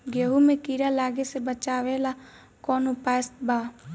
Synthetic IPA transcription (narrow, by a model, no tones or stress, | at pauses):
ɡeːɦumẽkiːɾalaːɡesebət͡ʃaːʋela | kɔːnupaːəst̪baː